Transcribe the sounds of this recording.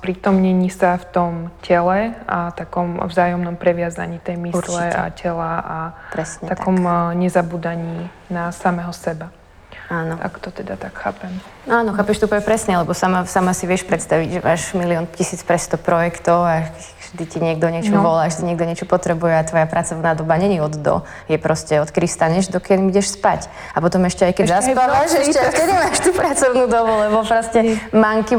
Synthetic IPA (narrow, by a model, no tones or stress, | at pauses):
pɾiːt̪ɔmɲɛɲisaft̪ɔmcɛlɛat̪akɔmvzaːjɔmnɔmpɾɛʋɪaza̰ɲiːt̪ɛjmisɾlɛa̰cɛlaʔapɾɛsɲɲɛt̪at̪akɔmɲɛzabuːd̪aɲiː | nasamɛɦɔsɛba | aːnɔa̰kt̪ɔt̪ɛd̪at̪akxa̰ːpɛm | aːnɔxaːpɛʃt̪upɔʋɛpɾɛsɲɛlɛbɔsamasamasiʋɪɛʃpɾɛt̪st̪aʋiɟʒɛʋaːʒmiliɔncisiːt͡spɾɛst̪ɔpɾɔjɛkt̪ɔʊak | ʒ̥d̪iciɲɪɛɡd̪ɔɲɪɛt͡ʃɔʋɔlaːʒd̪iɲɪɛɡ̚d̪ɔɲɪɛt͡ʃɔpɔt̪ɾɛbujɛat̪ʋɔjapɾat͡sɔʊnaːd̪ɔbaɲɛɲiɔd̪d̪ɔ̰ | jɛpɾɔscɛɔt̪kɛd̪ifst̪aɲɛʒd̪ɔkɪɛlmiɟɛʃspac | apɔt̪ɔmɛʃcɛajkɛzaspaʋaʃɛʃɛkɛd̪imaːʃt̪uːpɾat͡sɔʊnuːd̪ɔbulɛbɔpɾɔscɛmaŋki